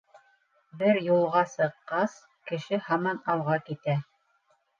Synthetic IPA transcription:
bɘɾjulˠʁɑsɤ̆qːɑs | kɘ̆ʃɘhɑmɑnɑlˠʁɑkit̪æ

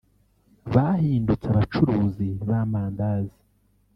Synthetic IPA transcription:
βahiːndut͡saβat͡ʃuɾuːziβamaːndazi

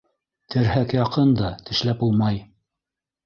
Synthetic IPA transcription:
t̪ʰɘ̆ɾɦækjɑqɤnd̪ɑt̪ʰɘ̆ʃlæpulˠmɑj

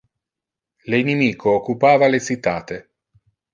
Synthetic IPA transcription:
lenimiːkʰoːkːupaːvalesit̪ːaːt̪e

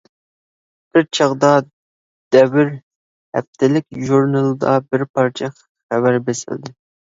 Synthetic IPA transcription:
b̥ɪɾt͡ʃʰɑʁd̪ɑ | d̪̥ɛwɪɾ | hæ̰p̚t̪ʰɪlɪk̚ʲʒuɾnɨlˠd̪ɑ̰bɪɾpʰɑɾt͡ʃʰɛ | χævæɾbesɪ̰ld̪ɪ

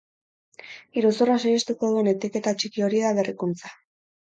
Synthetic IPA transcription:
iɾusuras̬ejest̪uko̞ðue̞ne̞t̪eke̞t̪at͡ʃikio̞ɾiðaβerikunt͡sḁ

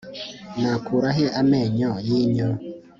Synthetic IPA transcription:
nakuɾaɦeʔamɛɲɔjiɲɔ

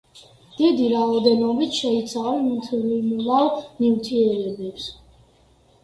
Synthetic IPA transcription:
d̪̥id̪iɾaɔd̪ɛnɔbit̪ʰʃɛit̪sʰavɛnimt̪ʰilimulalnivt̪ʰiɾɛɾɛbɛps

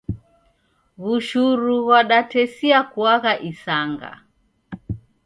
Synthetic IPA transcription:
ɣuʃuɾuɣwaɗatɛsiakuaɣaʔisaŋɡa̰

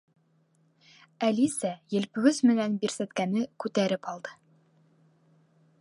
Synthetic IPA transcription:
ælisæjɘ̆lpɘ̆ɡɵzmɘ̆nænbiɾsæt̪kænɘkʉt̪æɾɘpɑlˠd̪ɤ̥

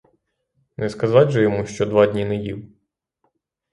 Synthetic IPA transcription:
nɛskɐzɑtʲʒɛjɔmuʃt͡ʃɔd̪ʋɑdʲnʲinɛjḭw

